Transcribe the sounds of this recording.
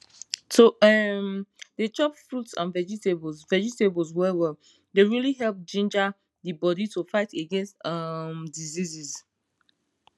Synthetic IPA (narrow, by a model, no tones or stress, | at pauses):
soɛmdet͡ʃɔpfɹutsã̰nvɛd͡ʒiteblzvɛd͡ʒitebɔlzwɛwɛl | deɹiliɦɛlp̚d͡ʒĩnd͡ʒa | ðibɔditʰufaɪteɡɛ̃nstʌmdiziziz